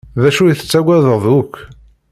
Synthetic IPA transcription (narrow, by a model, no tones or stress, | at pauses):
ðæʃujθə̥t͡sːæɡʷæðəʁðʊkː